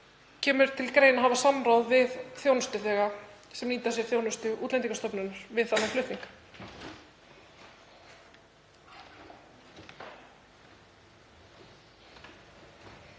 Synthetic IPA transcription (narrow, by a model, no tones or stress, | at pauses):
cʰɛːmʏɾ̥t̪ʰɪlkɾeːjnaɦavasamɾawðvɪðθjoːwnʏst̪ʏθɛːɣa | sɛmniːt̪asjɛɾ̥θjownʏst̪ʏʔṵːt̪lɛnt̪iŋkast̪œpnʏnːaɾ̥vɪðθanːaflʏht̪iŋkḁ